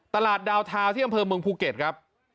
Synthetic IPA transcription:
t̪a˧laː˨˩t̪̚daː˧wt̪ʰaː˧wt̪ʰiː˥˩ʔa˧mpʰɤː˧mɯ˧əŋpʰuː˧ke˨˩t̪̚kʰɾa˦˥p̚

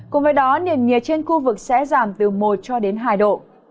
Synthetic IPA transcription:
kʊ̰˨˧˩ŋ͡mvəː˨˦jɗɔ˨˦ni˨˩ənɲi˨˩ət͡ɕe˧nxu˧vɨ˨˩k̚sɛ̰˧˥zaː˨˩mt̪ɨ˨˩mo˨˩t̚t͡ɕɔ˧ɗe˨˦nɦaː˧˩jɗo̰˧˨

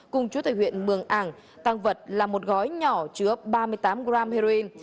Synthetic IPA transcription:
kʊ˨˩ŋ͡mt͡ɕu˨˦t̪a̰ː˧˩jwḭ˧˨ənmɨ˨˩əŋʔaː˧˩ŋ | t̪aː˧ŋvə˨˩t̚laː˨˩mo˨˩t̚ɣɔ˨˦jɲɔ˧˩t͡ɕɨ˨˦əɓaː˧mɨ˧əjt̪aː˨˦mɣɾaː˧mhe˧ɾo˧i˧n

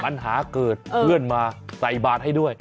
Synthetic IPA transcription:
ɓa˧˩nɦaː˧˩˦kəː˨˩t̚ːmɨ˧˩ənmaː˨˩za˨˩jɓaː˨˩t̚ha˧jɗu˧˩əj

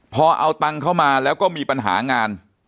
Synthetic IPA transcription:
pʰɔː˧ʔa̰˧wt̪a˧ŋkʰa˥˩wmaː˧lɛː˦˥wkɔː˥˩miː˧pa˧nɦa̰ː˩˦ŋaː˧n

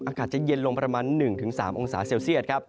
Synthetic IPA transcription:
ʔaː˧kʰaː˨˩t̪̚t͡ɕa˨˩je˧nlo˧ŋpɾa˧maː˧nːɯ˨˩ŋt̪ʰɯ˩˦ŋsaː˩˦mʔo˧ŋsaː˩˦seː˧wsi˥˩ət̪̚kʰa˦˥p̚

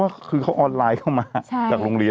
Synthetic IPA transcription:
aː˥˩kʰɯː˧kʰa˦˥˩wʔɔː˧nlaː˧jkʰa˦˥˩wmaː˧˥t͡ɕt͡ɕaː˨˩k̚ɾoː˧ŋɾi˧

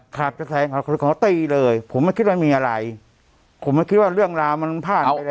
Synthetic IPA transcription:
kʰɾa˨˩p̚t͡ɕa˧˩sɛː˨˦ŋkʰa˨˦kʰːkʰɔː˨˦t̪iː˧lɤː˧jpʰo˨˩˦mːa˥˩jkʰi˦˥t̪̚wa˥˩miː˧ʔa˧ɾa˧j | pʰo˨˩˦ma˥˩jki˦˥t̪̚waː˥˩ɾɯ˥˩əŋɾaː˧wma˧npʰaː˥˩˧a˧

